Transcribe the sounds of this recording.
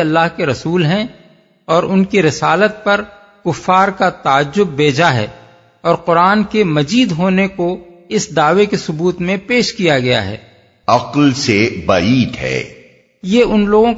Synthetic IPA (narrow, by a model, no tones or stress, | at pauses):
ɐlːaːɦkeɾɐsuːlɦɛ̃ | ɔːɾʊnkiɾɪsaːlət̪̚pɐɾ | kʊfːaːɾkat̪aːd͡ʒːʊbːeːd͡ʒaɦɛ̰ː | ɔːɾqʊɾaːnkemɐziːd̪ɦoːnekoɪsd̪aːʋekesʊbuːt̪mẽpeːʃkijaɡɐja̰ɦɛ̰ː | ɐqlsebaiːt̪ɦɛ̰ː | jeːʊnloːɡõ